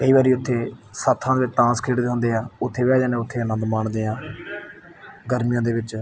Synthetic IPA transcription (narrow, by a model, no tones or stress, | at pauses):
kəiːbaːɾiːʊt̪ʰːeːsat̪ʰːãd̪eːʋɪt͡ʃʈãːskʰeːʈd̪eːɦõːnd̪eːaːʊt̪ʰːeːʋɛːd͡ʒaːnẽːʊt̪ʰːeːənənd̪maːɳd̪eːãː | ɡəɾmijãːd̪eːʋɪt͡ʃ